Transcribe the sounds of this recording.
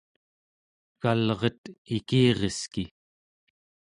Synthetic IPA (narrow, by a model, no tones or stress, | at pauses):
kalʁʌt̪ikiːʁeski